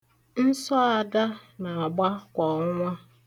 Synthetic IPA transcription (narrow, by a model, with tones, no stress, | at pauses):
n̩˦sɔ˦a˨da˦nã˨a˨ba˦kʷɔ˨ŋ˦ŋʷã˦